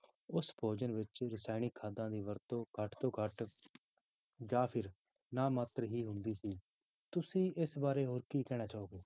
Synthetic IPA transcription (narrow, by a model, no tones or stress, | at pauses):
ʊsbʰʱoːd͡ʒənʋɪt͡ʃɾɪsaːɪɽ̃iːkʰaːd̪ãːd̪iːʋəɾt̪õːɡʱəʈt̪õːɡʱəʈ | jaːpʰɪɾ | naːmaːt̪ɾəɦiːɦʊnd̪iːsiː | t̪ʊsĩːʔɪsbaːɾeːɦoːɾkiːkɛːɽ̃aːt͡ʃaːoːɡeː